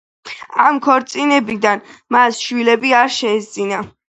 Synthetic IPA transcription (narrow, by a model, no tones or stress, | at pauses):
amkʰɔɾt̪sʼinɛbid̪anmasʃwilɛbiaɾʃɛːzd̪zina